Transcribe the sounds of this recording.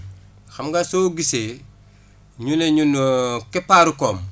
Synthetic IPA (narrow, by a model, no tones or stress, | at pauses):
xamɡasoɡise | ɲuneɲunokɛpaɾukoːm